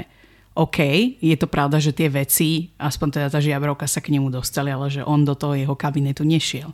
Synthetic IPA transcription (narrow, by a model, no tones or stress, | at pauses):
ʔɔkʰɛjjɛt̪ɔpɾaʊd̪aʒɛt̪ɪɛʋɛt͡siʔaspɔɲt̪ɛd̪at̪aːʒɪabɾɔʊkasakɲɛmud̪ɔst̪alialɛʒɛʔɔnd̪ɔt̪ɔɦɔjɛɦɔkabinɛt̪uɲɛʃɪɛl